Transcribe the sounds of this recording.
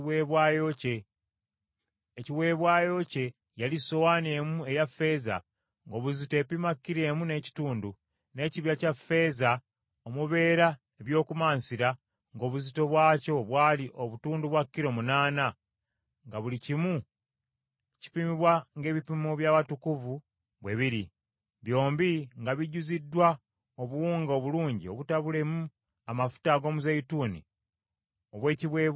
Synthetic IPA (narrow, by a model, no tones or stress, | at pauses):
weːβwaːjoce | ciwe̞ːβwaːjo̞ce̞ | jaliso̞wane̞ːmue̞jafːe̞za̰ | ŋɡo̞βuzite̞ːpimakːiɾe̞ːmune̞ːci̥tuːndu | ne̞ːciβjacafːe̞ːza | omuβe̞ːɾa | eβjo̞ːkumaːnsiɾa | ŋɡo̞ːβuzito̞βwaːco̞βwaːliʔo̞βutuːnduβwakːiɾo̞munaːna | ŋɡaβulicimu | ci̥pimiβwaŋɡe̞ːβipimoβjaːβatukuvu | βwe̞βiɾi | βjo̞ːmbiŋɡaβiɟuzidːwa | oβuwuːŋɡaoβuluːɲɟio̞βutaβule̞mu | amafu̥taɡo̞ːmuzeituːnḭ | oβwe̞ːciβwe̞ː